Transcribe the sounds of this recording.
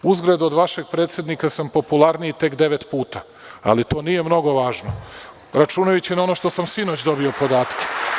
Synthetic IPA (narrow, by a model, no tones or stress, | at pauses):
uzɡɾed̪uod̪ʋaʃe̞ɡ̚pɾet̪sje̞d̪nikasampo̞pulˠaɾnit̪e̞kd̪e̞ʋet̪puːt̪a | a̰lit̪o̞ːnije̞mno̞ɡo̞ʋaːʒno̰ | ɾat͡ʃunajut͡ɕinao̞no̞ʃt̪o̞samsino̞t͡ɕd̪o̞bio̞po̞d̪aːt̪ke̥